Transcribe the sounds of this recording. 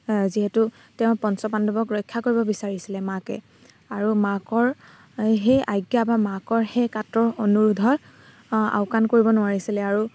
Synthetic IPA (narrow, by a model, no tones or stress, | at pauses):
ziɦɛtu | tɛʊ̃pɔnsɔpandɔbɔkɹɔjkʰːakoɹibɔbisaɹisilɛmakɛ̰ | aɹumakɔɹ | ɦejʔajɡjabamakɔɹhejkatɹɔɹonuɹudʱɔɹ | a̰ʊkankoɹibɔnʊwaɹisilɛaɹu